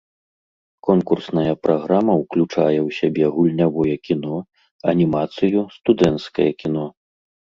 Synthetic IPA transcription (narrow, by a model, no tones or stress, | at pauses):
kɔnkursnɐjɐpɾʔaɣɾamɐwklʲut͡ʂa̰jɛwsʲabʲɛɣulʲnʲavɔjɛkʲinɔ | ɐnʲimat̪sɨjust̪ud̪ɛnt̪skɐjɐkʲin̪ɔ